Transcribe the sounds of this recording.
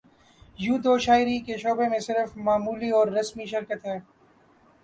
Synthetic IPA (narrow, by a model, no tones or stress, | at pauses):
juːd̪oːʃaːɪɾikeʃoːbemẽsɪɾəfmaːmuːliɔːɾːɐsmiʃɪɾkət̪ɦɛː